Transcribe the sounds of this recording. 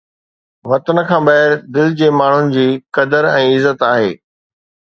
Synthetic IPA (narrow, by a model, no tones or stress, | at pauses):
ʋɐt̪ənə̆kʰãːbɐɦɪɾd̪ɪld͡ʑeːmaːɳ̤ʊnɪ̆d͡ʑiːkɐd̪əɾɛ̃ːɪzət̪aːɦeː